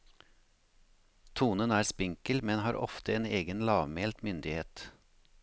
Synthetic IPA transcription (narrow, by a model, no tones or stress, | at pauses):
t̪ʰuːnənæːɾspɪŋkəlmɛnhɑːɾʔɔ̰ft̪əeːneːɡənlɑːʋmeːlt̪mʏnd̪ɪheːt̪